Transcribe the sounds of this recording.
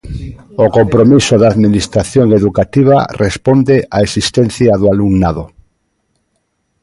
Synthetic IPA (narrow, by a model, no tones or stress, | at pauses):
okompɾomisoðaːðminist̪ɾaθjoŋeðukat̪iβ̞a̰rʔespond̪eʔaesist̪ɛn̟θjaðoaluŋnaðo